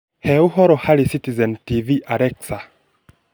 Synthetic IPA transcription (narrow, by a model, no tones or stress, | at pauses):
heuɦɔɾɔhalisitizentiviʔaɾeksa